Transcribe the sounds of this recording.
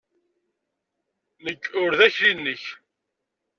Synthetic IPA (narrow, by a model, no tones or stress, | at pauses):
nəkːʊɾðæçɾinːəç